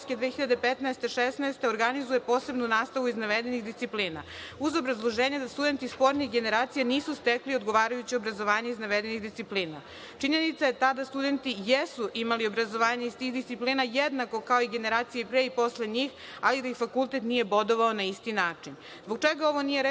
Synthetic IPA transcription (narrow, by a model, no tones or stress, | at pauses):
skʲed̪ʋeːxiʎad̪epet̪nɛest̪e̞ʃesnaest̪eo̞ɾɡanizuje̞po̞ːse̞bnunaːst̪aʋuiznaʋed̪e̞nixd̪ist̪ipliːna̰ | uzo̞bɾazlˠo̞ʒeːɲed̪ast̪ud̪e̞nt̪ispo̞ɾnixɡe̞ne̞ɾaːt̪sijaniːsust̪ekliod̪ɡo̞ʋaːɾajut͡ɕio̞bɾazo̞ʋaːɲeiznaʋed̪eniɣd̪ist̪ipliːna̰ | t͡ʃiɲe̞nit̪sajet̪ad̪ast̪ud̪e̞nt̪ijesuʔimalio̞bɾazo̞ʋaːɲeist̪iːxd̪ist̪ipliːnajed̪nako̞kao̞iɡe̞ne̞ɾaːt̪sijepɾeːipo̞sle̞ɲiːx | alid̪aixfakulˠt̪et̪nije̞bo̞d̪o̞ʋao̞naist̪inaːt͡ʂin | zboɡ̚t͡ʃeɡao̞ʋo̞nijeɾ